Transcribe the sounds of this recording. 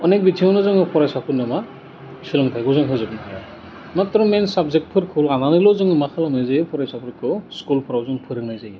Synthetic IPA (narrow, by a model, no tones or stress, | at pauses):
ɔnek̚bitʰiɔwnɯzɯŋɯpʰɔɾajsapʰɯɾnːɯma | silɔŋtʰajɡɔzɯŋɦɯzɯk̚nʰaja | matɾɔmensabzek̚t̚pʰɯɾkʰulananɯjlɔzɯŋɯmakʰalamnajzajɯpʰɔɾajsapʰɯɾkʰɯskulpʰɯɾawzɯŋpʰɯɾɯk̚najzaj